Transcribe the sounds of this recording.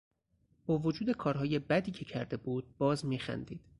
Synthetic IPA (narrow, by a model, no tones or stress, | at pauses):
b̥ɒːvo̞d͡ʒuːd̪e̞kʰɒːɾɦɒːje̞bæd̪iːcʰe̞cʰæɾd̪e̞buːd̪̥̚bɒːzmiːxæ̰nd̪iːd̪̥